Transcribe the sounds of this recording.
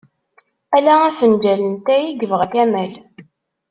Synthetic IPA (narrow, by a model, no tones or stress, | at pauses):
ælææθənd͡ʒælənt̪æjiɡəvʁækæmæl